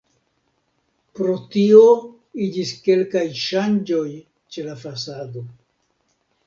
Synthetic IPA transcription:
pɾo̞tio̞ | id͡ʒiske̞lkajʃand͡ʒo̞j | t͡ʃe̞lafasado̞

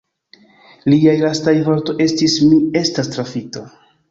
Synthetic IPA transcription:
liajlastajvoɾto̞jʔe̞stismie̞stastɾafito̞

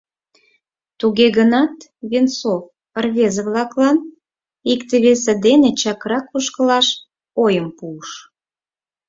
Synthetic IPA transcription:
t̪uɣeɣənɑt̪βint͡sof | ərβezəβlɑklɑn | ikt̪eβes̬ĕd̪enet͡ɕɑkɾɑkuʃkəlɑʃ | ojəmpuəʃ

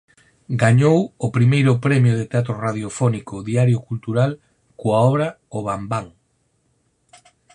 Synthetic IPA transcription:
ɡaɲowʊpɾimejɾʊpɾɛmjʊðɪt̪eat̪̬ɾʊraðjofɔnikʊðiaɾjʊkult̪uɾal | koaɔβɾɐ | oβambaŋ

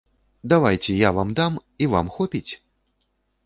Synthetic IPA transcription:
d̪avajt͡sʲɛjavamd̪amiva̰mxɔpʲit͡sʲ

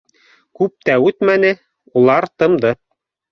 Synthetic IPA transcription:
kʉp̚t̪æʉt̪mænɘ | ulˠɑɾt̪ɤ̆md̪ɤ

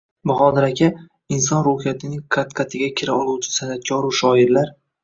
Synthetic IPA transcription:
bʊχɒd̪ɪɾakʲʰa | ɪnsɒnɾohijat̪ʰɪnɪŋqʰat̪qʰat̪ʰɪɡʲakʲʰɪɾaɒlˠuwt͡ʃʰɪ̥sanat̪̚kʲʰɒɾʊʃɒɪɾlaɾ

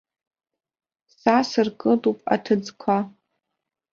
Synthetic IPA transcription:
sasɨrkʼɨdʼupʼa̰tʰɨd͡zkʷʰa

